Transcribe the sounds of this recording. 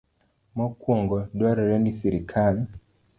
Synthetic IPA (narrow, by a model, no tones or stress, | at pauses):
mɔkwɔŋɡɔdwaɾɛɾɛndisiɾikʰali